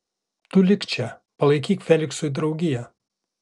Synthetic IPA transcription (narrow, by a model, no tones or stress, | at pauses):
t̪ʊlʲɪkt͡ʃʲɛ | pɐlˠɐɪkʲiːkfʲɛlʲɪksʊd̪ɾɒʊɡʲɪjɛ